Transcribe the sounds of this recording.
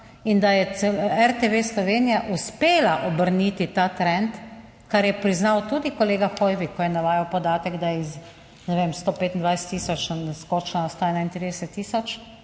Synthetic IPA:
ind̪ajɛɛɛɾt̪eʋeslɔʋeːnijaʔuspeːlaʔɔbəɾnit̪it̪aːt̪ɾɛnt̪ | kaɾjɛpɾiznawt̪ud̪ikɔleːɡaxɔjʋikʰːɔjɛnaʋaːjawpɔd̪aːt̪ɛɡd̪ajɛiz | nɛʋeːmst̪oːpeːt̪nd̪ʋajsɛ̥t̪ːiːsɔt͡ʃnɛskoːt͡ʃnaɔst̪oɛnajnt̪ɾid̪ɛsɛt̪ːiːsɔt͡ʃ

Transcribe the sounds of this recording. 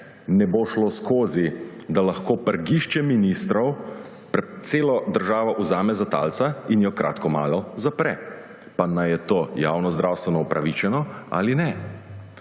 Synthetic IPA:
nɛboʃloskoːzid̪alaxkoːpəɾɡiʃt͡ʃɛminist̪ɾɔw | pɛt̪seːlɔd̪əɾʒaːʋɔʔuzaːmɛzat̪a̰ːlt̪sainjɔkɾʔa̰ːt̪kɔma̰ːlɔzapɾɛ | panajɛt̪oːja̰ːwnɔzd̪ɾaːwst̪ʋɛnɔupɾaʋit͡ʃɛnɔa̰ːlinɛ

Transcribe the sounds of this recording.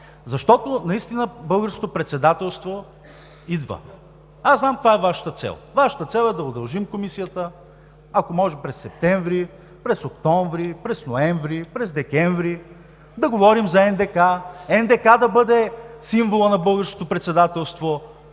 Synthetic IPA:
zɐʃt̪ɔt̪onɐist̪inəbɤlˠɡəɾsko̥t̪opɾɛt̪sɛd̪at̪ɛlˠst̪vo | id̪və̰ | aznamkvaɛvaʃə̥t̪ət̪sɛ̰lˠvaʃə̥t̪ət̪sɛlˠɛd̪ɐʊd̪ɐlˠʒimkomisijət̪ə | ɐkomɔʒɛpɾɛsːɛp̚t̪ɛɱvɾi | pɾɛsokt̪ɔɱvɾipɾɛsnoɛɱvɾipɾɛzd̪ɛkʲɛɱvɾi | d̪ɐɡovɔɾimzɐɛnd̪ɛkaɛnd̪ɛkad̪ɐbɤd̪ɛsiɱvolˠənɐbɤlˠɡəɾsko̥t̪opɾɛt̪sɛd̪at̪ɛlˠst̪vo

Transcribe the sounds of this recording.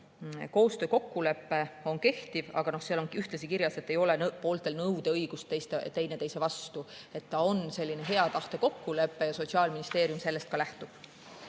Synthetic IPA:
ko̞ːst̪ø̞ːko̞kːule̞pːe̞o̞nke̞ht̪ivɑ̰ɡ̥ɑno̞hseɑlo̞nyht̪lɑsikiɾjɑse̞t̪ːe̞jo̞le̞npo̞ːlt̪ˑe̞lnɤwd̪̥e̞ɤjɡ̥ust̪ejst̪et̪e̞jne̞t̪e̞jse̞vɑst̪ue̞t̪ːɑo̞nse̞lʲːine̞ɦe̞ɑt̪ɑht̪e̞ko̞kːule̞pːe̞jɑso̞t̪siɑːlminist̪e̞ːɾjumse̞lːe̞st̪̚kɑlæht̪ub̥

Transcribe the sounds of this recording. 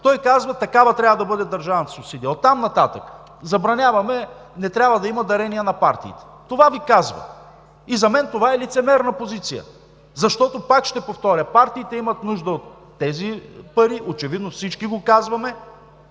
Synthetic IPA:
t̪ɔjkazvɐt̪ɐkavɐt̪ɾʲabəd̪ɐbɤd̪ɛd̪ɐɾʒavnt̪sopsid̪iot̪ːamnɐt̪at̪ək | zɐbɾɐnʲavɐmɛnɛt̪ɾʲabvəd̪ɐimɐd̪ɐɾɛnijənɐpaɾt̪ḭiːt̪ɛ̥t̪ovavikazvɐ̰ | izɐmɛnt̪ovaɛlit̪sɛmɛɾnɐpozit̪sijə̰ | zɐʃt̪ɔt̪opakʃt̪ɛpoft̪ɔɾʲɐpaɾt̪iːt̪ɛimɐt̪nuʒd̪əot̪ːɛzipɐɾiʔot͡ʃɛvid̪nofsit͡ʃkiɡokazvɐmɛ

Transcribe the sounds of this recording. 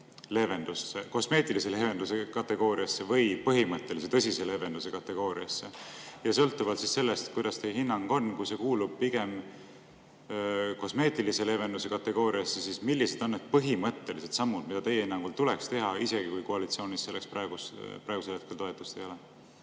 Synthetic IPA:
le̞ve̞nd̪usːeko̞sme̞ːt̪ˑilise̞le̞ve̞nd̪use̞kɑt̪ːe̞ɡ̥o̞ːɾiɑsːe̞vɤjpɤɦimɤt̪ˑːe̞lis̬et̪ɤsʲise̞le̞ve̞nd̪use̞kɑt̪ːe̞ɡ̥o̞ːɾiɑsːejɑsɤ̞lt̪ːˑuvɑlt̪sisse̞lːest̪kujd̪̥ɑst̪e̞jeɦinːɑŋɡ̥o̞nkujse̞kuːlub̥̚piɡ̥e̞m | ko̞sme̞ːt̪ilise̞le̞ve̞nd̪use̞kɑt̪ːe̞ɡ̥o̞ːɾiɑsːesismilːise̞d̪̥o̞nːe̞d̪̥̚pɤɦimɤt̪ːe̞lise̞d̪sɑmːud̪mid̪̥ɑt̪e̞jehinːɑŋɡult̪ule̞kst̪e̞ɦɑise̞ɡ̥ikujkoɑlit̪sio̞ːnisse̞lːekspɾɑeɡ̥uspɾɑeɡuselhekelt̪o̞e̞t̪ːˑu̥st̪ejo̞le

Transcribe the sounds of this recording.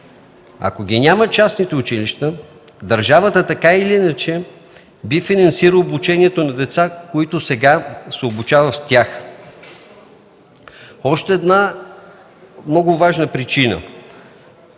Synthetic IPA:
ɐ̰koɡʲinʲamət͡ʃasnit̪ɛʊt͡ʃiliʃt̪ə | d̪ɐɾʒavət̪ət̪ɐkailiinɐt͡ʃɛ | bifinɐnsiɾəobut͡ʃɛniɛt̪onɐd̪ɛt̪sakoit̪ʊsɛɡasɛobut͡ʃavəfst̪ʲjax | ɔʃt̪ɛːd̪na | mnɔɡʊvaʒnəpɾit͡ʃinə̰

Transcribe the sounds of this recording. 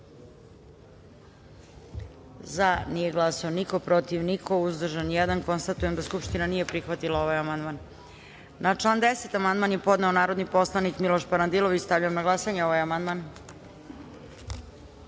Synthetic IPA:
zanijeɡlˠasaoniko̞pɾo̞t̪iʋniko̞uzd̪r̩ʒanjɛd̪anko̞nst̪at̪ujemd̪askupʃt̪inanije̞pɾixʋat̪ilˠao̞ʋajamand̪maːn | nat͡ʂlaːnd̪eset̪amand̪maːnjepo̞d̪neonaːɾo̞d̪nipo̞slˠanikmilo̞ʃpaɾand̪iloʋit͡ɕst̪avʎajemnaɡlˠasaɲeo̞ʋajamand̪man

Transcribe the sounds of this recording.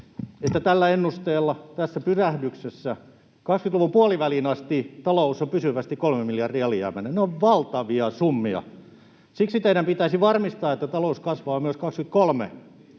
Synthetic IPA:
et̪ːæt̪ælːæenːust̪eːlːɑt̪æsːæpysæhdyksesːæ | kɑkskyt̪luʋupuɑliʋælinɑst̪it̪ɑlousompysyʋæst̪ikolmemiljɑrdiɑeliæ̰mænenneoʋʋɑlt̪ɑʋiɑsumːiɑ̰ | siksit̪eiɾæmpit̪æisiʋɑrmist̪ɑːet̪ːæt̪ɑlouskɑsʋɑːmyøskɑkskyt̪̚kolmḛ

